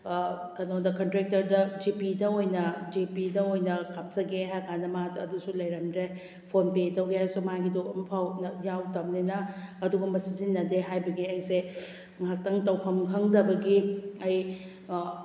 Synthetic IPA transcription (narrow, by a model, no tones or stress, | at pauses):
kɐnodɐkɐntɾek̚tɐɾdɐd͡ʒipidɐojnɐd͡ʒepidɐojnɐkɐp̚sɐɡeɦakʰanɐmaatɐdusulɐjɾɐmdɾej | pʰonpetɐwɡehajsumaɡidokɐmpʰawnɐjawtɐmnenɐːduɡɐmɐsizinːɐdeɦajbɐɡiɐjse | ŋak̚tɐŋtɐwkʰɐmkʰɐŋdɐbɐɡiɐj